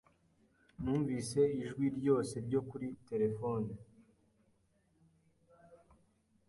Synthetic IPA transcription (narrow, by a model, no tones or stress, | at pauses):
nuːɱvise̞iʒɡwiɾɟo̞ːse̞ɾɟo̞kuɾite̞ɾe̞fo̞ne